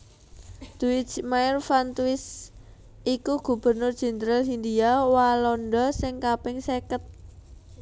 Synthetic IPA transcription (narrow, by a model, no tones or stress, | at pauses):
d̪̥uɪt͡ʃmaɪrfant̪uɪs | ʔikuɡ̥ṳb̥ə̤rnʊr̥d͡ʒ̥ɛnd̪ɾalɦind̪iawalɔnɖɔsɪŋkapɪŋsekət̪̚